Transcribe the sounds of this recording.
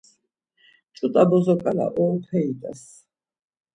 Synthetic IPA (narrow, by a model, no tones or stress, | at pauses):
t͡ʃʼut̪ʼabɔzɔkʼala̰ʔɔlt̪ʰɛid̪ʼa̰s